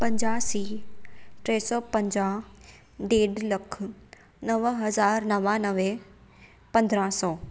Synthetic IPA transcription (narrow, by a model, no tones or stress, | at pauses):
pɐ̃ɲd͡ʑaːsiː | ʈɾɛːsɔːpɐ̃ɲd͡ʑaːɦ | ɖeːɖlɐkʰʊ | nɐʋɦɐzaːɾnɐʋanɐʋe | pɐ̃nd̪ɾãsɔː